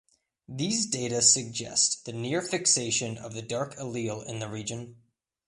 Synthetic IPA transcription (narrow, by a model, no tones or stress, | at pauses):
ðizdeɪɾɨsɨɡ̚d͡ʒɛ̰sðɨnɪɹfɨkseɪʃɨ̃nʌ̰vðɨdɑɹkʰəlilˠɪ̰̃nðɨɹid͡ʒɨ̃n